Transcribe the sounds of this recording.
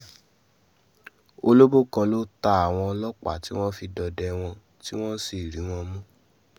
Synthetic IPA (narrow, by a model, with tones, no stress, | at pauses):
o˧lo˦bo˦kɔ̃˧lo˦ta˧a˨w̃ɔ̃˧ɔ˧lɔ˦k͡pa̰˦˨ti˨˦w̃ɔ̃˦fi˧dɔ˧dɛ˧w̃ɔ̃˧ | ti˦w̃ɔ̃˦si˨ɾĩ˨˦w̃ɔ̃˧mũ˦